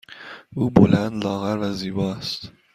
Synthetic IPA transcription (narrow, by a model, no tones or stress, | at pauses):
ʔuːbolænd̪lɒːɣæɾvæziːbɒːæst̪